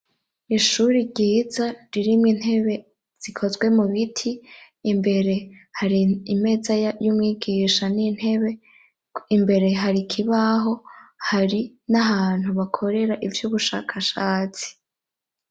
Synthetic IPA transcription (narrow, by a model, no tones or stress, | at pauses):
iʃuɾiɾɟiːzaɾiɾimŋin̥he̞βe̞ | z̥ikʰo̞zɡwe̞muβitʰiː | mbe̞ɾe̞haɾiime̞zajajumŋiːɡiʃanin̥he̞βe̞ | imbe̞ɾe̞ɦaɾikʰiβaɦo̞haɾi | naɦaːn̥huβakʰo̞ɾe̞ɾaʔivjuβuʃa̰ːkʰaʃaːt͡si̥